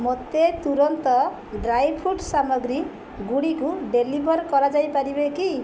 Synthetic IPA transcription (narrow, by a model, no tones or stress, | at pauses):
mʌt̪ːet̪uɾʌnt̪ʌ | ɖrajpʰuʈsamʌɡɾi | ɡuɽikuɖelibʱʌrkʌɾad͡zajpaɾibeki